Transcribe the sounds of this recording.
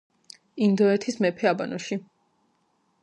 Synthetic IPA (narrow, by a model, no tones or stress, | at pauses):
ind̪ɔɛt̪ʰismɛpʰɛaba̰nɔʃi